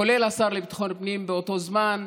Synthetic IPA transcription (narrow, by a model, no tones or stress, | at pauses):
o̞lelasaʁlebt̪ḁχonpnimbeot̪o̞zman